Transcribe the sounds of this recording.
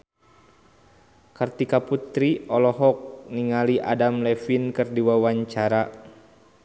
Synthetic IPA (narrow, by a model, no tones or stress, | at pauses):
kart̪ikaput̪ɾiɔlɔɦɔk̚niŋaliʔa̰damlɛfinkɨrdiwawaɲt͡ʃaɾa